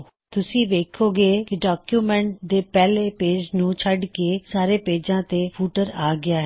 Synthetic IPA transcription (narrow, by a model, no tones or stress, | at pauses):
t̪ʊsĩːʋeːkʰoːɡeːkɪɖaːkjuːmɛ̃ɳʈ̚d̪eːpɛːleːpeːd͡ʒnũːt͡ʃʰəɖkeːsaːɾeːpeːd͡ʒãːt̪eːpʰuːʈəɾaːɡɪaːɦɛ